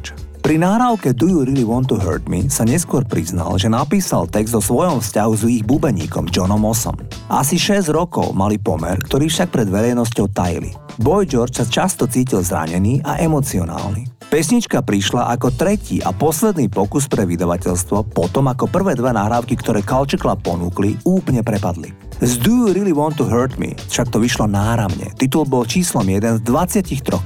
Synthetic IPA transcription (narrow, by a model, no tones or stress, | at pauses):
pɾinaɦɾaːʊkɛd̪ujuɾiliʋɔnt̪uɦə̰ːɾd̪mḭsaɲɛskʊɔɾpɾizna̰lʒɛnapiːsalt̪ɛɡzd̪ɔsʋɔjɔmfscaɦuziːɣbubɛɲḭːkɔ̰md͡ʒɔnɔmɔsɔ̰m | ʔa̰siʃɛzɾɔkɔ̰ʊmalipɔ̰mɛ̰ɾkt̪ɔɾiːfʃak̚pɾɛd̪ʋɛɾɛjnɔs̬cɔʊt̪ajḭlḭbɔjd͡ʒɔɾt͡ʃsat͡ʃast̪ɔt͡siːcilzɾa̰ɲɛniːʔaʔɛmɔt͡siɔna̰ːlnipɛsɲit͡ʃkapɾiʃlaʔakɔt̪ɾɛciːʔa̰pɔslɛd̪niːpɔkus̬pɾɛʋid̪aʋacɛʎst̪ʋɔpɔt̪ɔmakɔpr̩ʋɛːd̪ʋɛnaɦɾaːʊkikt̪ɔɾɛːkalt͡ʃiklapɔnuːkliuːplɲɛpɾɛpad̪lḭ | zd̪uɾiliwɔ̃nt̪ːuɦəːt̪mḭfʃakt̪ɔʋiʃlɔnaːɾaʊɲɛ̰t̪it̪̬ulbɔlt͡ʃiːslɔmjɛd̪ɛnzd̪ʋat͡sɪacixt̪ɾɔx